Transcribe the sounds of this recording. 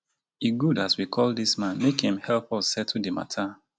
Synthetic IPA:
iɡudaswikʰɔlˠdismãnmekhĩmhɛlˠpɔssɛtʰudəma̰tʰa

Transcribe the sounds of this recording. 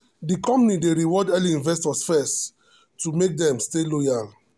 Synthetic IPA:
dikɔ̃mpnideɾiwɔdɛliĩnvɛstɔsfɛst | tːumek̚dɛ̃mstelojal

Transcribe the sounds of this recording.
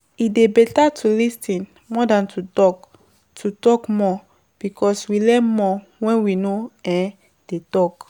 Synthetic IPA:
idebɛtatʰulistĩn | mɔdãntʰutɔk | tʰutɔkmɔ | b̥ikʰɔswilɛnmɔ | wɛ̃nwinoɛ̃ | d̥etɔk

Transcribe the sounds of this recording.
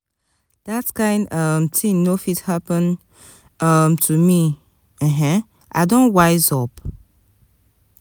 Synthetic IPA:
d̥atkãɪ̃ndʌmtʰĩnofithapə̃n | ʌmtʰumi | ɛɦɛ̃ | ʔa̰ɪdõnwaɪzɔp

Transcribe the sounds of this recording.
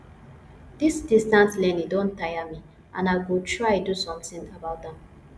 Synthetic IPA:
d̥isdistãnslɛ̃nidõntʰːajəmi | ʔãnaɪɡutʰɹaɪdusɔ̃mθĩŋəbaʊt̚dɛ̃m

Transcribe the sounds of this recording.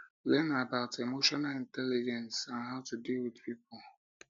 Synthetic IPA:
lɛnabaʊtʰemoʃɔnalɪ̃ntɛlɪd͡ʒɛ̃nsãnɦaʊtudilwɪðpipɔl

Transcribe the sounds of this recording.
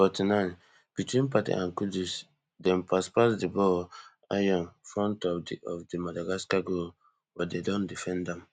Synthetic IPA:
fɔtinãɪ̃n | b̥itwĩnpatḭʔã̰nkudus | dɛ̃npʰaspasdibɔ | a̰jɔ̃nfɹɔ̃ntɔɔfdimadaɡaskaɡol | bɔdedɔ̃ndifɛ̃ndɛ̃m

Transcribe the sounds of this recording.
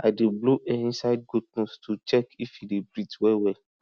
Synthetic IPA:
adebluʔɛĩsad̚ɡudnũstʰut͡ʃɛkifidebɾitwɛwɛ

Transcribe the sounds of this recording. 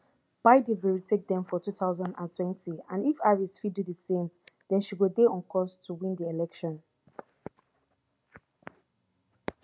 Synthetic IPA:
b̥aɪdevɛitʰek̚dɛ̃mfɔtutaʊzɔ̃ndã̰ntʰwɛ̃ntʰiãnifaɹisfidudəsẽmdɛ̃nʃiwedeɔ̃nkʰɔstʰuwĩndielɛkʃɔ̃n

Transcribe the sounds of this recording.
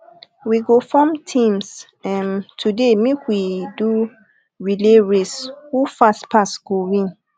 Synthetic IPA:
wiɡofɔmtʰĩms | ɛntʰudemekwidu | ɹileɹeshufastpastɡ̥owĩn

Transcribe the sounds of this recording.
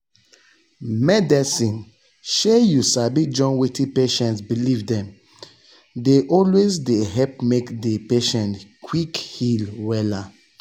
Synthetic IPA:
mɛdɛsĩn | ʃejusabid͡ʒɔ̃nwitĩpeʃɛ̃ntsbilivdɛ̃m | deʔɔlwezdeɦɛp̚mekdepeʃɛ̃ntkʰwikhilwɛla

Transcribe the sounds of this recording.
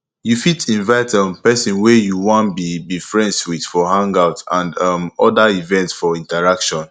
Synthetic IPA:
jufitʰĩnvaɪtɛ̃npɛsĩnwɛjuwɔ̃nbibifɹɛ̃nswid̥fɔɦãŋɡaʊtãndʌmɔdaivɛ̃ntsfɔĩntaɹakʃɔ̃n

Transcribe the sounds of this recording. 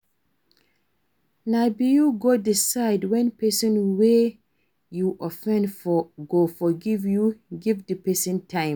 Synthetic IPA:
nabijuɡodisaɪdwɛ̃npɛsɔ̃nwe | juʔɔfɛ̃ndfɔɡofɔɡivjuɡivdipɛsĩntʰãɪ̃

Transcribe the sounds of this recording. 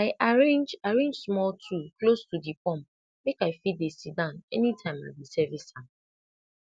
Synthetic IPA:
aɪʔaɹẽnd͡ʒaɹẽnd͡ʒsmɔltʰuklostudipɔ̃m | mekaɪfidesidãʊ̃nɛ̰nitʰãɪ̃ma̰bisɛvisan

